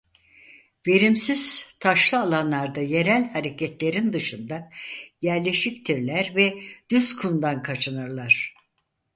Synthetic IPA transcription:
ve̞ɾimsiz̥t̪ʰaʃlˠɯalˠanlˠaɾd̪aje̞ɾælʲhaɾe̞cʰɛt̪lʲe̞ɾind̪ɯʃɯnd̪ajæɾlʲe̞ʃict̪ʰiɾlʲæɾvɛd̪̥yzkʰund̪ankʰat͡ʃʰɯnɯɾlˠaɾ̥

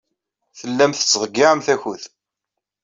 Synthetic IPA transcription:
θəlːæmθə̥t͡sːʁəɡːɪʕəmθæçuð

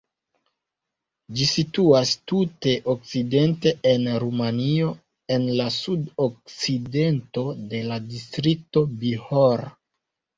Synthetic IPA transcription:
d͡ʒisituastute̞ʔok̚t͡side̞nte̞ʔenɾumanio̞ | e̞nlasudok̚t͡side̞nto̞de̞ladistɾik̚to̞bihoɾa

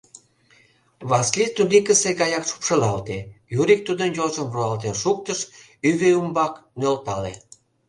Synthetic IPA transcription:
βɑskit̪ulikəseɡɑjɑkʃu̥pʃə̆lɑlt̪ejuɾik̚t̪ud̪ənjozəmβuɑlt̪enʃuk̚t̪əʃ | yβeumbɑknølt̪ɑle

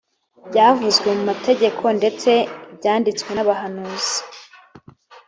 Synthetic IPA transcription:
bɟaːvuzɡwe̞mumate̞ɟe̞kʰo̞nde̞t͡se̞bɟaːndit͡skwe̞naβaɦanuz̥i̥

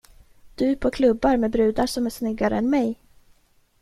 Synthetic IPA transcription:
d̪̥ɵpʰɔkʰlɵbːaɾmɛbɾʉ̟ːd̪aʂɔmæʂnʏɡːaɾə̰ɛnmɛj

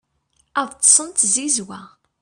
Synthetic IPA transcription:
æðˤt̪ˤːsˤənt̪zizwæ

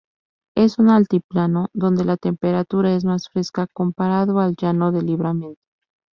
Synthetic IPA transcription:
e̞sunalt̪iplano̞ðo̞nd̪e̞lat̪e̞mpe̞ɾat̪uɾae̞z̬masfɾe̞skako̞mpaɾaðoald͡ʒano̞ðe̞liβɾamjẽnt̪o̥

